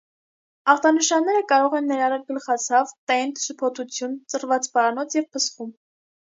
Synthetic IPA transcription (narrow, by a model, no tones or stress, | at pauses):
ɑχt̪ɑnəʃɑnːɛɾəkɑɾɔʁɛnːɛɾɑrɑkɡəlχɑt͡sʰɑvt̪ɛnt̪supʰɔt̪ʰut͡sʰjunt͡sərvɑt͡sbɑɾɑnɔt͡sʰjɛvpʰəsχum